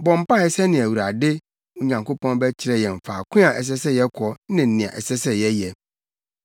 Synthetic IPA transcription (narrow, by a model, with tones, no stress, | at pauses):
bɔ̃˨m˦pã˦˨ɛ˦sɛ˦nɪ̃˨æ˨wu˨ɾa˨dɪ˦ | ʊ˦ɲã˨ŋko˦pɔ̃˦n˦bɛ˦t͡ɕʰɪ˦ɾɛ˨jɛ̃˨m˨faː˨kʰʊ̃˦a˨ʔɛ˨s̬ɛ˦sɛ˦jɛ˦kʰɔ˨˦nɪ̃˨n̩˦nĩ˨a̰˨ʔɛ̰˨sɛ˦sɛ˦jɛ˦jɛ˨